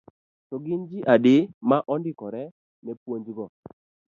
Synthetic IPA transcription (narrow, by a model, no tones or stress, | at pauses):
tɔɡɪnd͡ʒɪʔadɪmaʔɔndɪkɔɾɛ | nɛpwoɲd͡ʒɡɔ